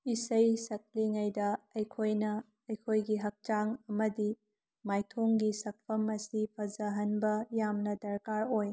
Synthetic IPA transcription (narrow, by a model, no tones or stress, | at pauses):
isɐjsɐk̚liŋɐjdɐɐjkʰojnɐː | jkʰojɡiɦɐk̚t͡ʃaŋɐmɐdi | majtʰoŋɡisɐk̚pʰɐmɐsipʰɐzɐɦɐnbɐjamnɐdɐɾkaɾoj